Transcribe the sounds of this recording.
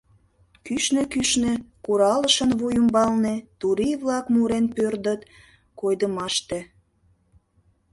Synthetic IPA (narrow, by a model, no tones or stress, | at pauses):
kyʃnekyʃnekuɾɑləʃənβujəmbɑlnet̪uɾiβlɑkmuɾenpørd̪ət̪ | kojd̪əmɑʃt̪e